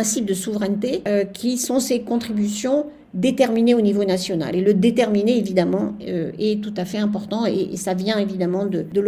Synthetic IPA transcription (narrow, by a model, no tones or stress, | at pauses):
ɛ̃sip̚d̪əsuvʁɛnt̪eøkʲʰisɔ̃sekɔ̃t̪χibysjɔ̃ | d̪et̪ɛʁmineonivonasjɔna̰leləd̪et̪ɛʁmineːvid̪amɑ̃øɛt̪ut̪afɛɛ̃p̬ɔʁt̪ɑ̃ḛʔsavjɛ̃evid̪amɑ̃d̪əd̪əl